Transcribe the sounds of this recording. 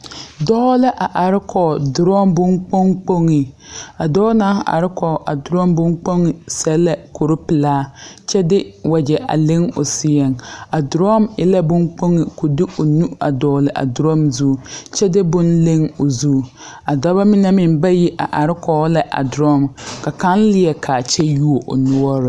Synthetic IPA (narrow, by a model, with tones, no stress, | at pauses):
dɔː˦la˦ʔa˨ʔa˨ɾɪ˦kʰɔ˨dʊ˨ɾɔ˦mbʊ˦ŋk͡po˦ŋk͡po˦ŋi˨a˨dɔː˦naː˦hʔa̰˨ɾɪ˦kʰɔ˨ʔa̰˨dɾɔ˦mbʊ˦ŋk͡po˦ŋɪ˨sɛ˦la˨kʰo˨ɾʊ˦pɪ˨laː˦t͡ʃɛ˦dɪ˦wa˨d͡ʒɛ˨a̰˨lɪ˦ŋo̰˨sɪ˨jɛ˨ŋa˨dɾɔ˦˨mɪ˦la˦bʊ˦ŋk͡po˦ŋi˨ko˨dɪ˦ʔo˨nu˦a˨dɔː˨lɪ˨ʔa̰˨dɾɔ˦mzu˦˨t͡ʃɛ˦dɪ˦bʊ˦nle˦ŋo˨zuː˦˨ | a˨dɔ˦ba˦mɪ˦na˦mɪ˨mba˦ji˦ʔa˨ʔa˨ɾɪ˦kʰɔ˨˦la˨ʔa̰˨dɾɔ˦˨mka˨ka˦n˦lɪ˦ɛ˨kʰa˨t͡ʃɛ˦ju˦o˨ʔo̰˨nʊ˦ɔ˦ɾɪ˨